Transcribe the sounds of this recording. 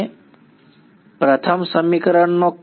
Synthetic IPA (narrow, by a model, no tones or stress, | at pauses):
pɾət̪ʰəmsəmːikəɾəɳːok